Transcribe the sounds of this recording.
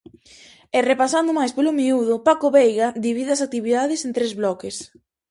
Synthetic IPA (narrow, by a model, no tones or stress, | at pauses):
ɛrepasand̪ʊmajspelʊmiuðʊpakoβejɣad̪iβiðɪɐsak̚t̪iβiðaðɪsẽnt̪ɾezβlɔkes